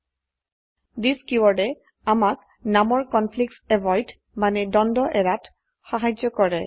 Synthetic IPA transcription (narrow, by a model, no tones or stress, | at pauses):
diskiwɔɹɛ | amak | namɔɹkɔnpʰliksɛvɔjd | manɛdɔndɔʔɛɹat | xaɦajd͡ʒɔkɔɹɛ